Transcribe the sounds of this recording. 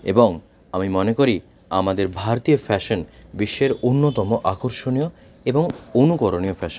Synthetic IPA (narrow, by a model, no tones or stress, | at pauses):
eboŋ | amimɔnekoɾi | amad̪eɾbʱaɾt̪ijofɛʃonbiʃːeɾonːot̪ɔmoʔakoɾʃonijo | eboŋonukoɾoniofɛʃon